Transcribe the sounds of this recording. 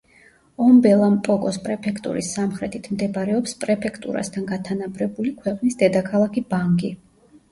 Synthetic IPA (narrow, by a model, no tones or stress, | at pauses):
ɔmbɛlˠampʼɔkʼɔspʼɾɛpʰɛkʰt̪ʼṵɾḭsːamχɾɛt̪ʰit̪ʰmd̪ɛbɾɛɔpspʼɾɛpʰɛkʰt̪ʼṵɾa̰st̪ʰanɡat̪ʰanabɾɛbulikʰwɛqʼnisd̪ɛd̪akʰalˠakʰibaŋɡi